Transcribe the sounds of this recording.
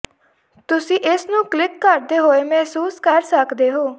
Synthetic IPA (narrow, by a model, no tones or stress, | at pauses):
t̪ʊsĩːʔɪsnũːklɪkːəɾd̪eːɦoːeːmɛɦsuːskəɾsəkd̪eːɦoː